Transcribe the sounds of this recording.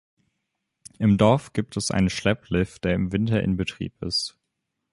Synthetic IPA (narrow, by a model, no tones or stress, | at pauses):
ʔɪmdɔɐfɡ̥iːp̚tʰɛsʔa̰ɪnənʃlɛpʰlɪfd̥eːɐɪmvɪntɐʔɪ̰nbətʁ̥ḭːpɪ̰st